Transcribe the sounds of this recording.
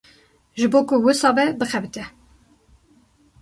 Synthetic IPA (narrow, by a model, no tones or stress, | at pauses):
ʒɨboːkʊwɨsɑːbɛbɨxɛbɨt̪ʰɛ